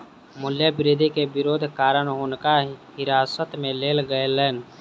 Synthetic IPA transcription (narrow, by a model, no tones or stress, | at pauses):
mʊljəbɪɾiːd̪ʱikebɪɾoːd̪ʱkaːɾəɽɦoːnkaɦɪɾaːsət̪mẽleːlɡəelɛːn